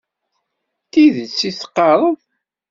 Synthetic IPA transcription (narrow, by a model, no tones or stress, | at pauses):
t̪iðət͡sːisqːɑɾˤəðˤ